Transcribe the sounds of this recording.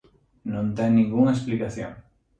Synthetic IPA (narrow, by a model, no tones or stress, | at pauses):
nõnt̪ɛŋnĩŋɡuŋaesplikaθjo̰ŋ